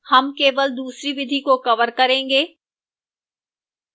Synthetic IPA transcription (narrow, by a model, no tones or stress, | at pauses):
hɐmkeːʋəld̪uːsɾiʋɪd̪ʱikokɐʋəɾkɐɾẽːŋɡeː